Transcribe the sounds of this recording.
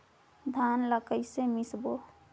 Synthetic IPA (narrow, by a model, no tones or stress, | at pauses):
d̪ʱaːnləkəsemɪsbo